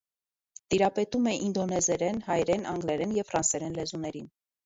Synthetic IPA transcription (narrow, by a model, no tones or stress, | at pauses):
t̪iɾɑpɛt̪umɛʔind̪ɔnɛzɛɾɛnhɑjɾɛnɑŋɡlɛɾɛnjɛvfɾɑnsɛɾɛnlɛzunɛɾin